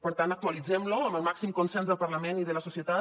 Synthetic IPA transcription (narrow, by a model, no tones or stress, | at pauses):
pəɾt̪anək̚t̪uəlid͡zɛmluəməlˠmaksimkunsɛnzðəlˠpəɾləmeniðələsusiət̪at̪